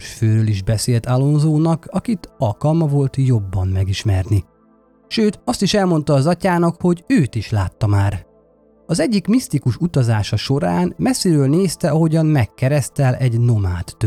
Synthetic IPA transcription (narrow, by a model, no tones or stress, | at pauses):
føːɾøːliʒbɛseːlt̪alo̞nzoːnɒkʰɒkit̪ɒlkɒlmɒvo̞lt̪jo̞bːɒmmɛɡiʃmɛrni | ʃøːt̪ɒst̪iʃɛlmo̞n̪t̪ɒːzɒcaːnɒkho̞ɟøːt̪iʃlaːt̪ːɒmaːr | ɒzɛɟːikmist̪ikuʃut̪ɒzaːʃɒʃo̞ɾaːnmɛsːiɾøːlneːst̪ɛɒɦo̞ɟɒmmɛkːɛɾɛst̪ɛlʔɛɟno̞maːt̪ːø